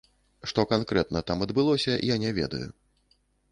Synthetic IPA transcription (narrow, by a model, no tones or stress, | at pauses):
ʂt̪ɔkankɾɛt̪̚nɐt̪amɐd̪bɨlˠɔsʲɐḭjanʲɛvʲɛ̰d̪ɐ̰jṵ